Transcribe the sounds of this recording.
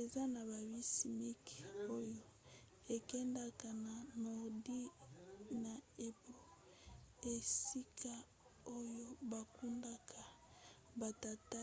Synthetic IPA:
e˨za˦na˨βa˨bi˦si˨mi˦ko˦jo˦ | e˨kɛ˦nda˦ka˨na˨nɔ˨di˦ | na˨e˨bo˦ | e˨si˦kʰa˦ | o˦jo˦ba˨ku˦nda˦kʰa˨ | ba˨ta˨ta˦

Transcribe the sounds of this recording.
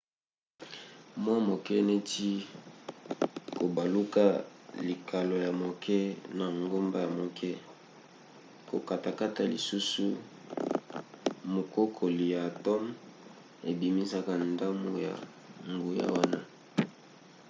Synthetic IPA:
mɔ˦mo˨kɛ˦ne˦ti˦ | ko˨ba˨lu˦ka˦li˨ka˨lo˨ja˨mo˨kʰɛ˦na˨ŋɡo˦mba˦ja˨mo˨kʰɛ˦ | ko˨ka˨ta˨ka˦ta˦lḭ˨su˦su˦ | mo˨ko˦kʰo˨li˨ja˨tɔ˦m | e˨bi˨mi˦sa˦ka˦nda˦mo˨ja̰˨ | ŋɡu˨ja̰˦wa˦na˦

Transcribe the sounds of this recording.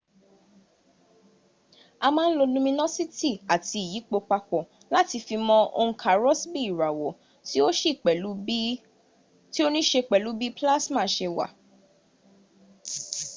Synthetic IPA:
a˧mãː˦n̩˦lo˧lũ˦mĩ˧nã˦si˦ti˦˨a˨ti˧i˨ji˨˦k͡po˧k͡pa˧kɔ˨ | la˦ti˧fi˧mɔ̃˦ʔo̰˧ũ˧kʰa˨ɾɔ˦sbi˦i˦˨ɾa˨wɔ˨˦ | ti˦o˦ʃi˦˨k͡pɛ˨˦ | ti˦o˦nĩ˦ʃe˧k͡pɛ˨lu˨˦bi˦pla˦smã˦˨ʃe˧wa̰˨

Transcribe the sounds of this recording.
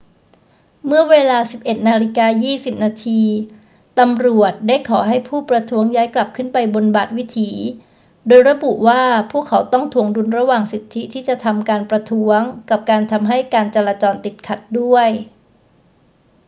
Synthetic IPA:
mɯ˥˩ɐweː˧laː˧si˨˩p̚ʔe˨˩t̪̚naː˧ɾi˦˥kaː˧jiː˥˩si˨˩p̚naː˧t̪ʰiː˧ | t̪a˧mɾu˨˩ət̪̚daː˥˩jkʰɔː˩˦ɦa˥˩jpʰuː˥˩pɾa˧t̪ʰu˦˥əŋjaː˦˥jkla˨˩p̚kʰɯ˥˩npa˧jbo˧nbaː˨˩t̪̚wi˦˥t̪ʰiː˩˦ | doː˧jɾa˧˥bu˨˩ʔwaː˥˩pʰuː˥˩əkʰːa˩˦wt̪ɔ˥˩ŋt̪ʰu˨˩əŋdu˧nɾa˧waː˨˩ŋsi˨˩t̪ʰːi˦˥t̪ʰiː˥˩t͡ɕa˨˩t̪ʰa˧mkaː˧npɾa˧t̪ʰu˦˥əŋka˨˩p̚kaː˧nt̪ʰa˧mɦa˥˩jkaː˧nt͡ɕa˧laː˧t͡ɕɔː˧nt̪i˨˩t̪̚kʰa˨˩t̪̚du˥˩əj

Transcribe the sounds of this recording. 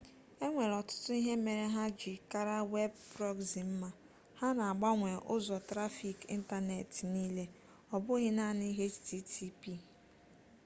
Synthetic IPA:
e˦ŋʷe˨ɾɔ˨tʊ̥˦tʊ˦i˦ɦe˦me˨ɾe˦ɦa˦d͡ʒɪ˨ka˦ɾa˦we˦bbɾɔ˦ɡzi˨m̩˦ma˦ | ha˦na˨a˨ɡ͡ba˦ŋʷe˨ʔʊ˦zɔ˨tɾa˦fi˨kḭ˦n̩˦ta˦ne˨tniː˦le˦ | ɔ˨bʊ˦ɣɪ˦na˦˨ni˦ɦe˦t͡ʃti˦tʰi˦pi˦

